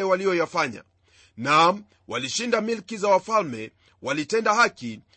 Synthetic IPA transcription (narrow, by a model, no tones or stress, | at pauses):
ɛwalijɔjafaɲa̰ | na | waliʃindamilkizawafalmɛ | walitɛndahaki